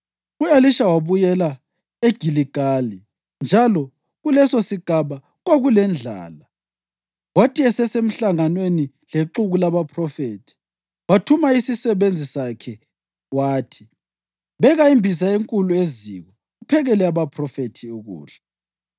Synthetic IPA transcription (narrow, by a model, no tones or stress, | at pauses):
ueliʃawaβujɛla | eɡ̥ʱiliɡ̥ʱali | nd͡ʒʱalɔ | ɣulɛsosiɡ̥ʱaβa | ɣoɣulɛnd͡ɮʱa̰ːla | watʰʼiɛsɛsem̩ɬaŋanweni | leǁuɣulaβapʰrɔfetʰi̥ | watʰumaisisɛβend͡zʱisakʰɛ | waːtʰi̥ | βɛɣaimbʱis̬aeŋkʼulueziɣɔ | ɣupʰɛɣɛlɛaβapʰrɔfetʰiuɣṵːɮɛ